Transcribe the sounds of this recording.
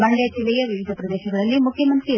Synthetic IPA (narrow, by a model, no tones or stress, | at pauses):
bɐɳɖed͡ʒilɛjɐʋiʋid̪ʱɐpɾɐd̪ɛːʃɐɡɐɭɐlːimukʰjɐmɐnt̪ɾi